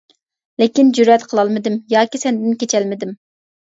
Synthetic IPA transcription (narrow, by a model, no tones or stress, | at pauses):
lɪkʲind͡ʒyɾɛt̪qʰəlˠɑlˠmɨd̪ɪmjɑːkʲisɛnd̪ɪnkʲet͡ʃʰɛlmɪd̪ɪm